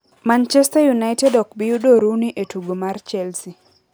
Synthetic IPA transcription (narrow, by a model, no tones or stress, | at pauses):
mant͡ʃɛstajunaɪtɛdɔk̚bɪjudoɾuniʔetuɡomart͡ʃɛlsi